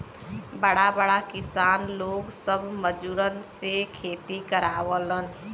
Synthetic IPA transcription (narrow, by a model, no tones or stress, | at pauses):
bəɽabəɽakɪsaːnloːɡsəbʱməd͡ʒuːɾənsekʰeːt̪ikəɾaːʋələn